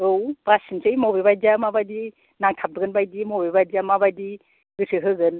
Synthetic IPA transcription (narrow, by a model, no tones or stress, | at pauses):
ɯwpasinsejmobebajd͡ʒamabajdi | naŋtʰap̚dɯɡɯnbajdimobebajd͡ʒamabajdi | ɡɯsʰɯɦɯɡɯn